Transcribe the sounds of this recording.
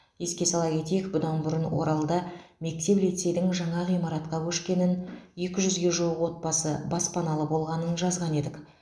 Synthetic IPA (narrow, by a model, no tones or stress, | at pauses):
je̞skʲe̞sɑlˠɑkʲʰe̞t̪e̞jɪkbʊd̪ɑnbʊɾənwo̞̰ɾɑlˠd̪ɑme̞k̚t̪e̞plijt̪se̞jd̪ɪŋʒɑɴɑʁijmɑɾɑt̪qɑkʲʰɵʃkʲe̞nɪnje̞kʲɪʒʏzɡʲe̞ʒuwəqwo̞t̪̚bɑsəbɑspʰɑnɑlˠəbo̞lˠʁɑnənʒɑzʁɑne̞d̪ɪk